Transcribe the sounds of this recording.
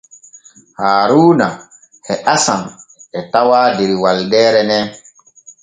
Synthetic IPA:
haːɾuːna | hɛʔasamɛtawaːdeɾiwaldɛːɾɛnɛ

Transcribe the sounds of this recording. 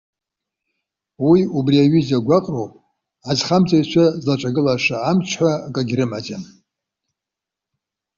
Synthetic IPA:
wiubriaɥizaɡʷaqʼrowpʼ | azχamt͡sʼajt͡ʃʷʰazlaʈ͡ʂʷʼaɡɨlaʂaːmt͡ʃʷʰħʷakʼaɡʲɾɨmad͡ʒʼan

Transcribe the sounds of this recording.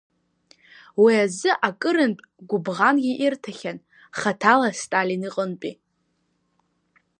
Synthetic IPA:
wiazɨʔakʼɨɾɨntʼɡʷʊbʁanɡʲiʔirtʰaχʲan | χatʰalastʼaliniqʼənpʼi

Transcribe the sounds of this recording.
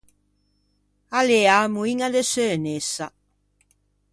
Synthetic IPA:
aleamuiŋad̪esønesːa

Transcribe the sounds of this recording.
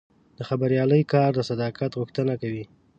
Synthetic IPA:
d̪̥əxabaɾjɑləjkɑɾd̪əsad̪ɑkat̪ɣʊxt̪ənakawi

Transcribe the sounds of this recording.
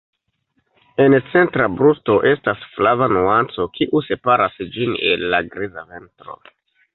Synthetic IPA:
e̞nt͡se̞ntɾabɾusto̞ʔe̞stasflavanuant͡so̞kʰiʔuse̞paɾasd͡ʒinḛlːaɡɾizave̞ntɾo̞̰

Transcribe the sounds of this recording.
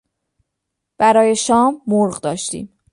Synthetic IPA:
b̥æɾɒːje̞ʃɒːmːoɾɢd̪ɒːʃt̪ḭːm

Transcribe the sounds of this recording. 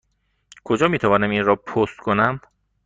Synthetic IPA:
kʰod͡ʒɒːmiːt̪ʰævɒːnæminɾɒːpʰost̪̚kʰonæm

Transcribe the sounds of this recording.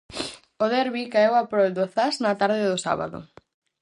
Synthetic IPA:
oðɛɾβikaewapɾold̪oθaznat̪aɾðɪðosa̰βa̰ðʊ̰

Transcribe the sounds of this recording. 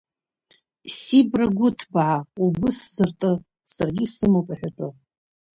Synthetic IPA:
sibraɡʷʊtʰbʕaubɨsz̥ɨrtʼɨ | sarɡʲisɨmapʷʼaħᶣat͡ʃʷʼa

